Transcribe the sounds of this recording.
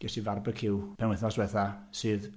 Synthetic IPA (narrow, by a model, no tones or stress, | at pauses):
ɡ̥ɛsivarbəkʰɪwpʰɛnwɪθnɔswɛθasɨːð